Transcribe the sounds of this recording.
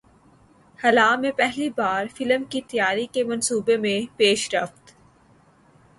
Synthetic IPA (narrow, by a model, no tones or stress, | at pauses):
hɐlaːmẽpɛɦlibaːɾfɪləmkit̪jaːɾikemɐnsuːbemẽpeːʃɾəft̪